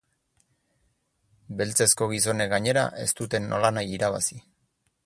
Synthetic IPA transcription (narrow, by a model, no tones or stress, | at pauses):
be̞lt͡se̞sko̞ɣ̞is̬o̞neɡaɲe̞ɾa̰ʔe̞̰st̪ut̪e̞nːo̞̰lanajiɾaβ̞a̰si